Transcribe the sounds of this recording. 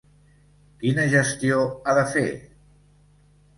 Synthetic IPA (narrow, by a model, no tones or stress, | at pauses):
kinəʒəst̪ioaðəfe